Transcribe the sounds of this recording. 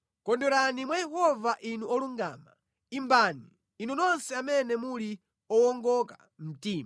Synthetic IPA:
kɔndɔɾanimwajɛhɔvaʔinuʔɔluŋɡa̰ːma | imbaːniː | nunɔnsɛamɛnɛmuli | ɔwɔŋɡɔka | m̩tiːma

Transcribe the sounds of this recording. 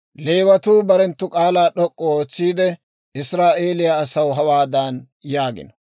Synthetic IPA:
leːwɐt̪uːbɐɾɛnt̪ːʊkʼaːlaːɗɔkʼːɔoːt͡sːiːd̪ɛ | ɪsɾaːʔe̞ːlɪjaːsɐwɦɐwaːd̪an | jaːɡɪ̰nɐ

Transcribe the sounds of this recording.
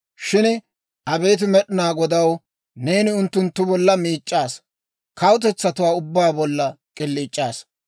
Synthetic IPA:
ʃɪn | ʔɐbe̞ːt̪̬ʊmɛɗɪnaːɡɔd̪ɐw | ne̞ːnɪʊnt̪ːʊnt̪ːʊbɔlːɐmiːt͡ʃʼːaːs | kɐwʊt̪̬ɛt͡sːɐt̪ʊwaːʊbːaːbɔlːɐkʼɪlːiːt͡ʃʼːaːs

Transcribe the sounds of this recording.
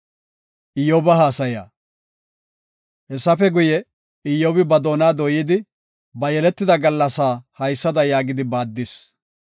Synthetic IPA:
ʔɪjːoːbɐɦaːsɐja̰ː | hɛsːɐfɛɡʊjɛ | ɪjːoːbɪbɐd̪oːnaːd̪ɔjiɪːd̪ɪ | bɐjɛlɛt̪ːɪd̪ɐɡɐlːɐsaːhɐjsːɐd̪ɐjaːɡɪd̪ɪbaːd̪ːɪs

